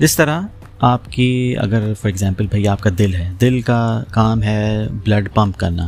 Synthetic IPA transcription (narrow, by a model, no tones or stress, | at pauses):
d͡ʒɪst̪ɐɾa | aːpkiɐ̰ɡəɾfɔːɾɛɡzãːmpəlbʱɐiaːp̚kad̪ɪlɦɛːd̪ɪlkakaːmɦɛblɐɖpãmpkɐɾna̰ː